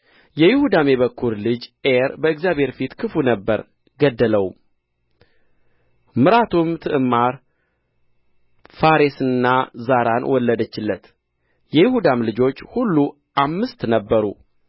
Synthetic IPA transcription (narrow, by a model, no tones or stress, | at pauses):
jɛjɪhud̪ameβəkʰːuɾlɨd͡ʒʔeɾbəɨɡzjaβʱhe̞ɾfit̪kʰɨfunəbːəɾ | ɡəd̪ːələw | mɨɾat̪ʰumt̪ʰɨʔɨmːaɾ | faɾesɨnːazaɾanwɔlːəd̪ət͡ʃːɪlːət̪ | jɛjɪhud̪amlɨd͡ʒo̞t͡ʃːhulːu | ʔamːɨst̪nəbːəɾṵ